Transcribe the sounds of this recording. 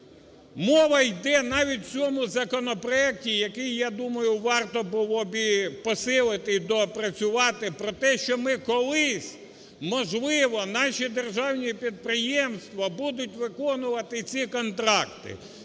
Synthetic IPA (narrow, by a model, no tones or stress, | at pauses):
mɔʋɐjd̪ɛnɑʋʲitʲt͡sʲsʲɔmʊzɐkɔnɔpɾɔɛk̚tʲijɐkɪjːɑd̪umɐjʊʋɑrt̪ɔbʊlˠɔbʲipɔsɪlˠɪt̪ɪd̪ɔpɾɐt͡sʲʊʋɑt̪ɪpɾɔt̪ɛʃt͡ʃɔmɪkɔlˠɪsʲ | mɔʒlˠɪʋɔnɑʃid̪erʒɑwnʲipʲid̪̚pɾɪjɛmst̪ʋɐbud̪ʊtʲʋɪkɔnʊʋɐt̪ɪt͡sʲikɔnt̪ɾɑkt̪ɪ̰